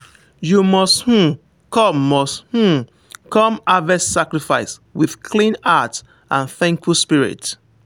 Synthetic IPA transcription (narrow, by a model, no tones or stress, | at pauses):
jumɔsthũ | kɔ̃mːɔsthũ | kɔ̃mavɛssakɹifaɪswiðkʰlĩnat | ʔãnθɛ̃ŋkfulspiɹḭt